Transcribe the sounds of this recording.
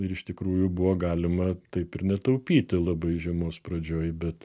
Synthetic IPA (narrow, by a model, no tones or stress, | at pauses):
ɪɾɪʃt̪ʲɪkɾuːjʊbʊʋoːɡɑːlʲɪmɐt̪ɐɪpɪɾnʲɛt̪ɐʊpʲiːt̪ʲɪlˠɐbɐɪʒʲɛmoːspɾɐd͡ʒʲoːjbʲɛt̪